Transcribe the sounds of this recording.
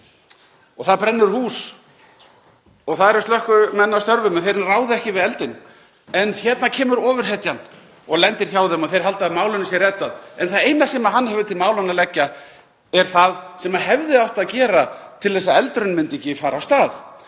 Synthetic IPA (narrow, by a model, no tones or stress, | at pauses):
ɔɣθaðpɾɛnːʏɾhuːs | ɔɣθaðɛɾɪ̥st̪œhkʏmɛnːawst̪œɾvʏmɛnθejɾɪnraːwðɪɛhcɪvɪðɛlt̪ɪn | ɛnçɛt̪nacʰɛːmʏɾɔːvʏɾ̥ɦɛt̪jan | ɔɣlɛnt̪ɪɾ̥çaːwðɛmɔθejɾ̥ɦalt̪aðmaːwlʏnɪsjɛrɛt̪aðɛnθaðejnasɛːmaɦanːhɛvʏt̪ʰɪlmaːwlanːalɛcːa | ɛɾ̥θaðsɛmaɦɛvðɪawht̪aðcɛːɾat̪ʰɪlθɛs̬ːaɛlt̪ɾʏnmʏnt̪ɛcːɪfaːɾawst̪aːð